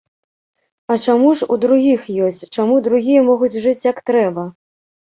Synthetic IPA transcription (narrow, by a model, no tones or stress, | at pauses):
ɐt͡ʂamuʂud̪ɾuɣʲixjɔsʲt͡sʲt͡ʂamud̪ɾuɣʲijɐmɔɣut͡sʲʐɨt͡sʲjɐkt̪ɾɛbɐ